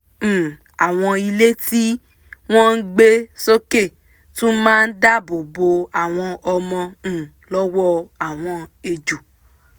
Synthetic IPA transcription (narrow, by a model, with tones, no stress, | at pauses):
a˨w̃ɔ̃˧i˧le˦ti˦ | w̃ɔ̃˦n̩˦ɡ͡be˦so˦ke˦˨ | tũ˦mãː˦n̩˦da˦bo˨bo˧a˨w̃ɔ̃˧ɔ˧mɔ̃˧˦˨ | lɔ˦wɔ˦a˨w̃ɔ̃˧e˧d͡ʒu˨